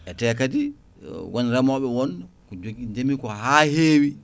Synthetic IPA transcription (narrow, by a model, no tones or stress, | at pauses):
ʔɛtɛːkadi | wʔonɾamɔɓɛwɔnkɔd͡ʒoɡid͡ʒemikɔɦaheːwi